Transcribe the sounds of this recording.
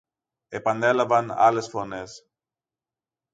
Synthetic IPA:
e̞pɐne̞lɐvɐnɐ̰le̞sfo̞ne̞s

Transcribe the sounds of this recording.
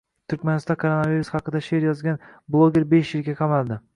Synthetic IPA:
t̪ʰʊɾkʲmanɪst̪ɒnkʰoɾonaviɾusχɑqɨd̪aʃeɾjɒzɡʲanblˠoɡʲe̞ɾbe̞ʃjɪlɡʲaqʰɑmalˠd̪ɪ

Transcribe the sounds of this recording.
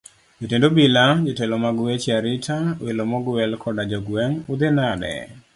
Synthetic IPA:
d͡ʒotendobilad͡ʒɔtɛlɔmaɡwet͡ʃaɾɪtʰawelomɔɡwɛlkʰɔdad͡ʒɔɡwɛŋʊd̪enadɛ̰

